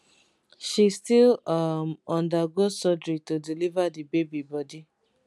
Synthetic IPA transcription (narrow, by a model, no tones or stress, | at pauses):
ʃistilamɔ̃ndaɡozsɔdɾitodilivadibebibɔdi